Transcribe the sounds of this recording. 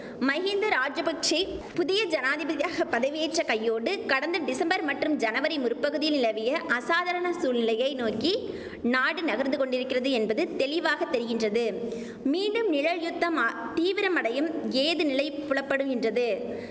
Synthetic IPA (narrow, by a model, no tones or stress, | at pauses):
mɐɣɪnd̪ɐɾaːd͡ʒɐpɐk̚t͡ʃɪlpʊðɪjɐd͡ʒɐnaːðɪbɐðɪjaːɣɐpɐðɐʋɪeːʈrɐkɐjːoːɽɯkɐɽɐnd̪ɐɖɪsɐmbɐɾmɐʈrɯmd͡ʒɐnɐʋɐɾɐɪmʊɾʊpːɐɣɯðɪjɪlnɪlɐʋɪjɐʔɐsaːðɐɾɐɳɐsuːlnɪlɐjɐɪnoːki | naːɽɯnɐɣɐɾnd̪ɯkɔɳɖɪɾɯkːɪrɐðɯɛnbɐðɯt̪ɛɭɪʋaːɣɐt̪ːɛɾɯɣɪndrɐðɯ | miːɳɖɯmnɪɻɐɻjʊt̪ːɐma | t̪iːʋɪɾɐmɐɽɐjɯmeːðɯnɪlɐɪpːʊɭɐpːɐɽɯɣɪndrɐðɯ